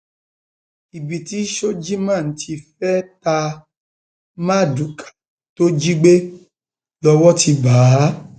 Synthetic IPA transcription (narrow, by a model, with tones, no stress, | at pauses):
i˨bi˨ti˨˦ʃo˦d͡ʒi˦mãː˦˨n̩˦ti˧fɛ˦ta˧ | mã˦˨du˨˦kʰḁ˨ | to˦d͡ʒi˦ɡ͡be˦ | lɔ˧wɔ˦ti˧baː˨˦